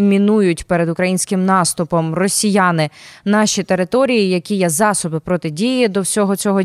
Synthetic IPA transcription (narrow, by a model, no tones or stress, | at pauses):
mʲinujʊtʲpɛɾed̪ʊkɾɐjinʲsʲkɪmnɑst̪ʊpɔmrɔsʲijanɪnɑʃʲit̪eɾɪt̪ɔɾʲijijɐkʲijɛzɑsɔbɪpɾɔt̪ɪdʲijid̪ɔwsʲɔɦɔt͡sʲɔɦɔ